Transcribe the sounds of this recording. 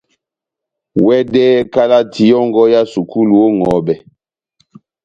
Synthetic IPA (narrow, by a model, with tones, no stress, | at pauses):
wɛ˦dɛ˦ka˦la˦tʰi˨jɔ˦ŋɡɔ˦ja˦su˨kʰu˦lu˨o˦ŋɔ˨˦bɛ˨